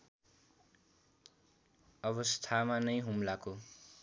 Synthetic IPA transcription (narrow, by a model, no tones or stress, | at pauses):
ʌβʌst̪ʰamanʌjɦumlako